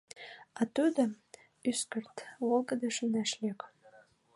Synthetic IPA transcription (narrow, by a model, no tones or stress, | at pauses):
ɑt̪ud̪ə | yskərt̪βolɡə̆d̪eʃənæʃlʲek